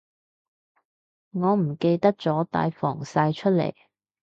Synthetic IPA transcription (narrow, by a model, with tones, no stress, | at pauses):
ŋɔː˨˧m̩˨˩ke˧jt̪ɐ˥k̚t͡sɔː˨˥t̪a̰ː˨˥jfɔː˨˩ŋsaː˧jt͡ʃʰɵ˥t̚lḛ˨˩j